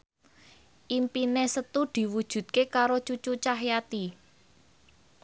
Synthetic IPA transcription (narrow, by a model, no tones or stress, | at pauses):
ʔimpinesət̪ud̪̥i̤wud̥ʒ̥ṳd̪̚kekaɾot͡ʃut͡ʃut͡ʃaɦjat̪i